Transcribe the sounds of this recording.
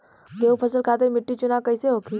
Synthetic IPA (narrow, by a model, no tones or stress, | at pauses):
keːũpʰəsəlkʰaːt̪̬eɾmɪʈːit͡ʃʊnaːkɐiseɦoːkʰi